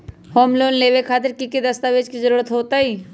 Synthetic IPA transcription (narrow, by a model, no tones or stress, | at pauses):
hoːmloːnleːʋekʰaːt̪̬ɪɾkiked̪ɐst̪aːʋeːd͡ʒkizəɾuːɾət̪ɦoːt̪aiː